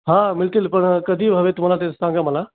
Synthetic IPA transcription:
ɦãːmɪlt̪ɪlpɐɳkɐd̪iːbɦɐʋet̪ʊməlat̪esãːŋɡaməla

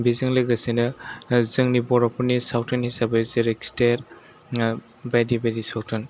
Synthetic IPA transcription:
bizɯŋlɯɡasinɯzɯŋnibɔɾɔpʰɔnisawtʰɔnhisabezeɾeksteɾ | bajdibajdisawtʰɯn

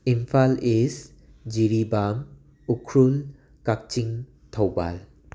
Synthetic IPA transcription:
impʰales | d͡ʒiɾibam | ukʰɾul | kak̚t͡ʃiŋ | tʰowba̰l

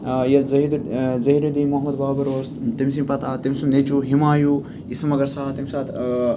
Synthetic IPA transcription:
jɐlzɐid̪zɐɦiɾud̪iːmuɦɐmɐd̪baːbɐɾoːzt̪imsimpɐt̪ʰaːt̪imsunnet͡ʃuɦimaːjuː | ismɐɡɐɾsaːt̪imsaːt̪ʰ

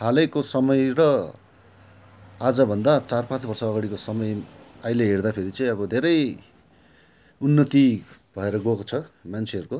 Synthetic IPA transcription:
ɦalʌkosʌmʌjrʌ | ad͡zʌbʱʌnd̪at͡sarpãt͡sbʌrsʌːɡaɽikosʌmʌjajleɦerd̪apʰeɾit͡sʌj̃ʌbʌd̪ʱeɾʌj | unːʌt̪ibʱʌeɾʌɡokot͡sʰʌmant͡sʰeɦʌɾuko

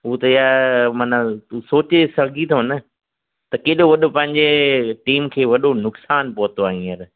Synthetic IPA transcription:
ɦʊt̪ɐɪjamaːnat̪uːsoːt͡ɕesɐɡʱit̪ʰoɦɐnə | t̪ɐkeːɗoʋɐɗopɐ̃ɦɪ̃ɲd͡ʑeʈiːmkʰeːʋɐɗonʊksaːnpoɦt̪oaːɦĩɐɾ

